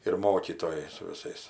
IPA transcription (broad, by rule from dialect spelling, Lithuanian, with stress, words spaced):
ɪr ˈmoːkʲiːtoːjɛɪ sʊ ʋʲɪˈsɐɪs